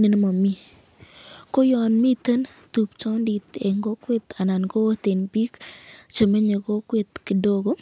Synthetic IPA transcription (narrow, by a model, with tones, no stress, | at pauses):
ne˨n˦ma˨mi˦ | ko˦jɔ˨nmi˦t̪ə˦n | t̪u˨pt͡ʃɔ˦ndi˨t̪ḛ˨ŋɡo˦kwe˦t̪a˨na˨nɡo˦t̪e˨nbi˦kt͡ʃe˨me˦ɲe˨ko˦kwe˦t̪̚kɪ˨do˦ɡo˦